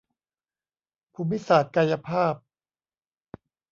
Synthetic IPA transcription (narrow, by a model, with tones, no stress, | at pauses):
pʰu˧mːi˦˥saː˨˩t̪̚ka˧ja˧pʰaː˥˩p̚